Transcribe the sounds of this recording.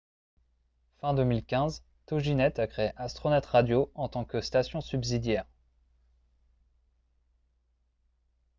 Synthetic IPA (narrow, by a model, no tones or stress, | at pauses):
fɛ̃d̪əmilkʲɛ̃z | t̪ɔʒinɛt̪akχeeʔast̪χɔnɛt̪ʁad̪joɑ̃t̪ɑ̃kəst̪asjɔ̃sybzid̪jɛːʁ